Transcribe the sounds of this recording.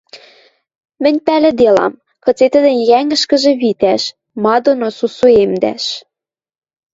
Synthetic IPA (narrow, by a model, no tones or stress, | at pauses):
mɘ̆nʲpælɘ̆d̪elɑ̰m | kɤ̆t͡set̪ə̆d̪ɘ̆nʲjæŋɡə̆ʃkə̆ʒĕβit̪æʃ | mɑd̪onosusuemd̪æ̰ʃ